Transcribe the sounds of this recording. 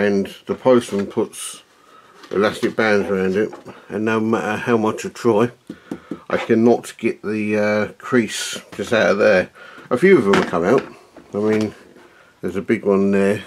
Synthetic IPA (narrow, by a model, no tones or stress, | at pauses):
ɨ̃nðəpʰoʊstə̃npʰʊts | ʔɪ̰læstɪk̚b̥æ̃ndzəɹãʊ̃ndɪtə̃nːoʊmæɾəhaʊmʌt͡ʃə̥tʰɹ̥ɔɪ | ʔa̰ɪkʰɨ̃nətɡ̥ɛʔ̪ðɨʌkʰɹ̥isd̥ʒ̥ʌstaʊɾəðəʔəfjʉʌvðə̃məkʰʌ̃maʊt | aɪmĩn | ðəzəbɪɡwʌ̃nðə˞